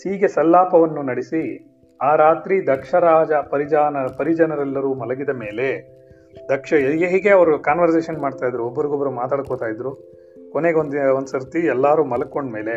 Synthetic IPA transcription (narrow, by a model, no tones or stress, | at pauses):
hiːɡe̞sɐlːaːpɐʋɐnːunɐɽisi | aːɾaːt̪ɾid̪ɐkʂɐɾaːd͡ʒɐpɐɾid͡ʒaːnɐpɐɾid͡ʒɐnɐɾɛlːɐɾuːmɐlɐɡid̪ɐme̞ːle̞ | d̪ɐkʂɐɡeɦiɡe̞ɐʋɐɾukaːnʋɐɾs̬eːʃɐnmaːɖt̪aːjid̪ɾuobːɐɾiɡobːɐɾumaːt̪aːɽ̚koːt̪aːjid̪ɾu | koneɡond̪insɐɾt̪iɛlːaːɾuːmɐlɐkːo̞ɳɖme̞ːle̞